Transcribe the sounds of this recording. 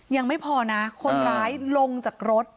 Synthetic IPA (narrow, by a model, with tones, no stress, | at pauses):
ja˧ŋma˥˩jpʰɔː˧na˦˥kʰo˧nɾaː˦˥jlo˧ŋt͡ɕaː˨˩k̚ɾo˦˥t̪̚